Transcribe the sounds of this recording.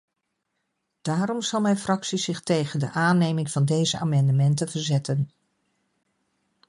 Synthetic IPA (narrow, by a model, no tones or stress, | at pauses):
d̥aːɾɔmz̥ɑlˠmɛjnfrɑksiz̥ɪχtejχəndəʔaːnejmɪŋv̥ɑndejzəa̰ːmɑndəmɛntəvəɹzɛtən